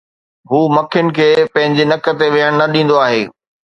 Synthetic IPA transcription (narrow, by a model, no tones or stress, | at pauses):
ɦuːmɐkʰɪjʊnɪ̆kʰeːpɐ̃ɦɪ̃ɲd͡ʑenɐkə̆t̪eʋeɦəɽ̃nɐɗĩːn̆d̪oaːɦeː